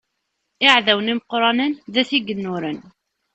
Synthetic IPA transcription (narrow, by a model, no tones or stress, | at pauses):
ɪʕðæwəniməqɾˤɑnənðæθiɡənːʊɾən